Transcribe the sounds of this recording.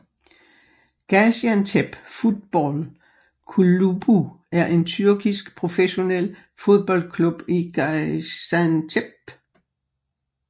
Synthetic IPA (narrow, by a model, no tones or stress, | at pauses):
ɡ̥æsænt͡sʰeb̥fuð̥ˠb̥ɒl | kʰulub̥u | æɐʔe̝nt͡sʰyɐɡ̥isɡ̥pʰʁo̝feɕo̝nel̰ | fo̝ð̞ˠb̥ɒ̽l̰d̥kʰlub̥iɡ̥sænt͡sʰeb̥